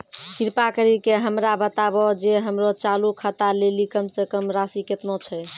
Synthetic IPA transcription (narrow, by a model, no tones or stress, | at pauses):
kiɾpakəɾikeɦəmɾabət̪abɔd͡ʒeɦəmɾot͡ʃalukʰət̪alelikəmsekəmɾasiket̪not͡ʃʰɛ